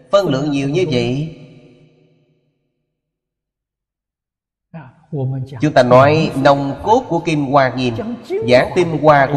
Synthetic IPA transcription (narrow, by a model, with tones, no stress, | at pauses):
fə˧nlɨ̰˧˨əŋɲi˨˩əwɲɨ˧və̰˧˨ | t͡ɕʊ˨˦ŋ͡mt̪aː˧nɔ˨˦jnə˧wŋ͡mko˦˥t̚ku˧˩əki˧mkwaː˧˩ŋi˨˩nzaː˨˧˩ŋt̪i˧mkwaː˧k